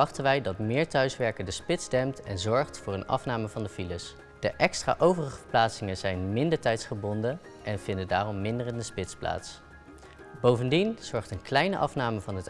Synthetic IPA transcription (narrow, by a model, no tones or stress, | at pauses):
ɑχtənʋɛjdɑtmɪːɹtœɥsʋɛɹkəɹdəspɪtzdɛmtɛnzɔɹχtfʊːɹənɑ̰fnaːməvɑndəfiləs | d̥əʔɛkstra̰ːʔowvərəχəvəɹplaːtsɪŋənzɛjnmɪndəɹtɛjtsχəbɔndə | ʔɛnvɪndəndaːrɔmːɪndərəndəspɪtspla̰ːts | bowvəndinz̥ɔɹχtənklɛjnəʔɑfnaːməvɑnɦət